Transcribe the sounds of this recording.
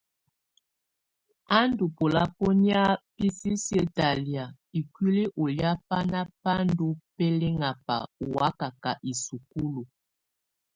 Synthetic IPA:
a˦ndu˨po˨la˦po˦ni˦a˦pi˦si˦sə˦ta˨li˨a˨ | i˨kwi˦li˦ʔo˨lja˦pa˦na˦pa˦ndu˦pɛ˦le˦ŋa˨pa̰˨u˨wa˦ka˨ka˨ʔi˨su˨ku˦lu˨

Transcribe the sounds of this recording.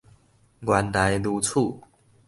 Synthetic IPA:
ɡwa˨˦nd̪a˨˦jlu˧˦t͡sʰu˥˨

